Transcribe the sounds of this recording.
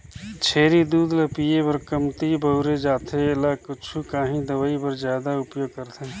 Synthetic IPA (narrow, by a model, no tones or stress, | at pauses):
t͡ʃʰeːɾid̪uːd̪ləpiːepəɾkəmt̪ibəʊɾed͡ʒaːt̪ʰeɪlakʊt͡ʃʰukaːɦĩd̪əʋaːipəɾzjaːd̪aʊpjoːɡ̚kəɾt̪ʰẽ